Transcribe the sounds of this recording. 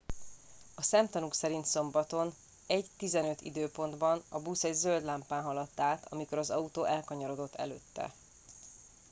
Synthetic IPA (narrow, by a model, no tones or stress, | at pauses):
ɒsɛmt̪ɒnuksɛɾint̪so̞mbɒt̪o̞n | ɛɟt̪izɛnøt̪ḭd̪øːpo̞nd̪bɒnɒbusɛɟzø̞ld̪laːmpaːnɦɒlɒt̪ːaːt̪ʰɒ̰miko̞ɾɒzɒut̪oːʔɛlkɒɲoɾod̪o̞t̪ːɛ̰løːt̪ːɛ̰